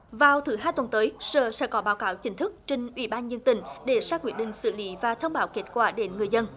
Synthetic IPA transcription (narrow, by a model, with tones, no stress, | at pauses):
vaː˨˩wt̪ʰɨ˨˩˦ɦaː˧jt̪wə˨˩nt̪əː˨˦jsəː˨˩sɛ̰˧˥kɔ˨˦ɓaː˨˦wkaː˨˦wt͡ɕï˨˦ŋ̟t̪ʰɨ˦˥k̚t͡ɕe˧ŋ̟ʔwḭ˧˩ɓaː˧nzə˧nt̪ï˨˩ŋ̟ɗe˧˩saː˦˥kwi˧˩ənɗï˨ŋ̟sɨ̰˧˩li˨˦vaː˨˩t̪ʰə˧wŋ͡mɓaː˨˦wke˦˥t̚kwaː˧˩ɗe˨˦nŋɨ˨˩əjzə˧n